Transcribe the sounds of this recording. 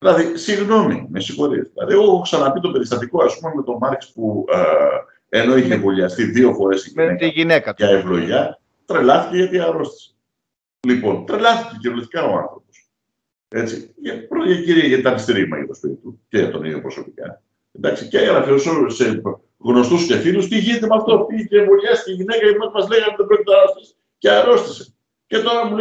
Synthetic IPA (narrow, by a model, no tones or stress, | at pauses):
ðilɐðisiɣno̞mimesixo̞ɾiɐ̰zðilɐ̰ðieɣoksɐnɐpit̪o̞pe̞ɾist̪ɐt̪iko̞ɐspumeme̞t̪o̞mɐɾkspu | e̞no̞eçevoliɐst̪iðio̞fo̞ɾe̞siʝinekɐʝinekɐevlo̞ʝɐ | t̪ɾe̞lɐθi̥ceʝɐt̪iɐɾo̞st̪i̥s | lipo̞nt̪ɾe̞lɐθicecevulost̪ikɐo̞ɐ̰̃nθɾo̞po̞̥s | e̞t͡siʝɐpɾoʝɐciɾiɐʝɐt̪it̪ɐnɐst̪iɾimɐ̰ʝɐ̰t̪ospit̪it̪uce̞ʝɐt̪o̞nḭo̰pɾo̞so̞pikɐ̰ | end̪ɐksiceɣɾɐfiosose | ɣno̞st̪usce̞θilust̪iʝinit̪emɐft̪o̞picevoʎɐst̪i̥ceiʝine̞kɐjɐt̪imɐt̪mɐzleɣɐnðebɾocit̪enɐɾo̞st̪ise̥ | ceɐɾo̞st̪i̥se̞̥ | ce̞t̪oɾɐmu